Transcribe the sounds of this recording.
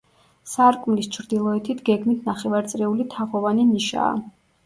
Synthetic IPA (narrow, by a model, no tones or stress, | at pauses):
saɾkʼmlist͡ʃʰɾd̪ilˠɔɛt̪ʰit̪ʰɡɛɡmit̪ʰnaχɛvaɾt̪sʼɾɛulit̪ʰaʁɔvaniniʃa̰ː